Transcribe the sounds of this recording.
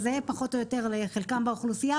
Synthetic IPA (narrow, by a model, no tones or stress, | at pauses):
zeepaχo̞t̪ojot̪e̞ʁleχelkambauχlusija